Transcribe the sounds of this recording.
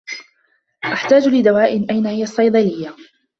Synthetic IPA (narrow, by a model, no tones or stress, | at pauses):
ʔaħt̪aːd͡ʒlɪd̪awaːʔɪnʔajnahɪjasˤːɑjd̪ˤɑlɪjːa